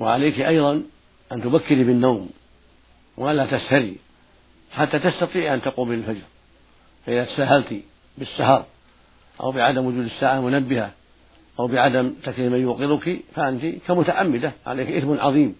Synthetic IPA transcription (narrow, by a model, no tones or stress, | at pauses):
waʕalajkiʔɑjðˤɑn | ʔant̪ʊbakːɪɾibɪnːawm | waʔalːaːt̪ashaɾḭ | ħat̪ːaːt̪ast̪ɑt̪ˤiːʕʔant̪aquːmɪlɪlfad͡ʒɾ | faʔɪðaːt̪ḁsaːhalt̪i | bɪsːahɑɾˤ | ʔa̰wbɪʕad̪amwʊd͡ʒuːd̪asːaːʕamʊnabːɪha | ʔawbɪʕad̪amt̪akliːmajʊːqɪɾʊkifaʔant̪ikamʊt̪aʕʔamːɪd̪aʕa̰lajkʔɪθmʊnʕɑ̰ðˤiːm